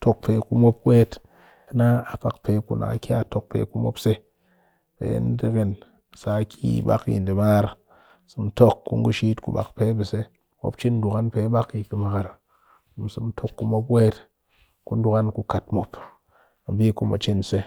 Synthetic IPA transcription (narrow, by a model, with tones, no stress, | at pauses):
to˦k̚pe˨ku˦mo˦p̚weː˦t | a˨na˦a˨pa˨kpe˨kṵ˨nʔa̰˨a̰˨kʲa˦˨to˦k̚pḛ˨˦ku˦mo̰˦pse˦ | pḛ˨˦n̩˦di˦ke˨n˨ | sa˨˦kʰʲi˦˨ba̰˦kḭ˨n˨di˨ma˦ɾ | sɨ˨m˦to˦kːṵ˦ŋ˦ɡu˦ʃi˦tkṵ˨˦ba̰˨kpe˦bi˨se˦ | mo̰˦pt͡ʃi˦n˦du˨ka˦npe˨˦ba˦ki˨kɨ˨ma˨ka˨ɾ | u˨m˨sɨ˨m˦tʰo˦kːu˨˦mo˦pweː˦t | ku˦n˦du˦ka˦nku˧ka˨tmo˨p | a˨bi˦ku˦ma̰˨t͡ʃi˦n˨se˦